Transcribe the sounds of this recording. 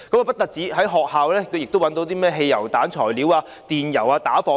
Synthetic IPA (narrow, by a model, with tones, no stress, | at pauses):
kɐ˨˦maː˨pɐ˥t̚t̪ɐ˨k̚t͡siː˨˥ɦɐ˨˥jɦɔː˨k̚haː˨wlɛː˥k̪o˧jɪ˨k̚t̪o˥wɐ˨˥nt̪o˧˥wt̪iː˥mɛː˥˩ɦe˧jːɐ˨˩wt̪aː˨˥nt͡ʃʰɔː˨˩jliː˨˥waː˧ | t̪iː˨njɐ˨˩waː˧t̪aː˨˥fɔː˨˧